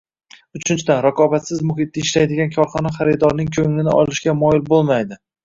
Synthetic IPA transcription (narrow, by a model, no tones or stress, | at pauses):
ʊt͡ʃʰɪnt͡ʃʰɪd̪anɾaqʰɒbat̪sɪzmʊɦɪt̪̚d̪aɪʃlajd̪ɪɡʲankʰɒɾχɒnaχɑɾɪd̪ɒɾnɪŋkʲʰɵŋlɪnɪʔɒ̰lˠɪʃkʲamɒjɪlbolˠmajd̪ɪ